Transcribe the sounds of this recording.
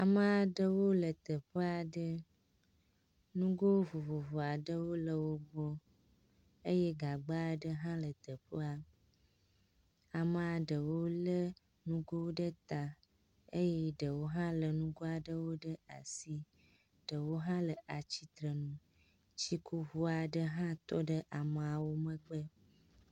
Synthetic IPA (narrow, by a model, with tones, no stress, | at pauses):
a˨mə˦a˨ɖə˦wo˦lə˨t̪ə˨ɸə˦a˨ɖə˦ | nũ˦ɡo˦wo˦vo˨vo˨vo˨a˨ɖə˦wo˦lə˨wo˦bɔ˦ | ə˦jɛ˦ɡa˨ɡ͡ba˦ɖə˦ɦã˦lə˨t̪ə˨ɸə˦a˨ | a˨mə̃˨a˨ɖə˨wo˦lə˦ | nũ˦ɡo˦wo˦ɖə˦t̪a˨ | ə˦jɛ˦ɖə˨wo˦ɦã˦lə˨nũ˦ɡo˦a˨ɖə˦wo˦ɖə˦a̰˨si˦ | ɖ̥ə˨wo˦ɦã˦lə˨ʔa˨t͡ɕi˦t̪ɾə˨nũ˨ | t͡ɕi˦kʰo˦vu˦a˨ɖə˦ɦã˦t̪ɔ˦ɖə˦ʔa˨mə˨a˨wo˦mə̃˦ɡ͡bə˦